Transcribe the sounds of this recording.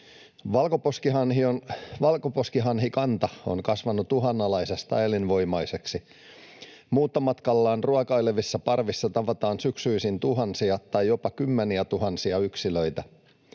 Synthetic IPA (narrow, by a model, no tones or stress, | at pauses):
ʋɑlkoposkiɦɑnhionʋɑlkoposkiɦɑnɦikɑnt̪ɑo̰nkɑsʋɑnːut̪uɦɑnːɑlɑisest̪ɑ̰jlinʋo̞jmɑjse̞ksi | muːt̪ːɑmɑt̪kɑlːɑːnruɑkɑileʋisːɑpɑrʋisːɑt̪ɑʋɑt̪ɑːnsyksyisint̪uɦɑnsiɑt̪ɑjjo̞pɑkymːeniæt̪uɦɑnsiɑyksiløit̪æ